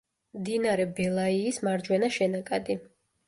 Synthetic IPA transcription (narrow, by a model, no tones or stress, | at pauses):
md̪inaɾɛbɛlˠaiːsmaɾd͡ʒwɛnaʃɛnakʼad̪i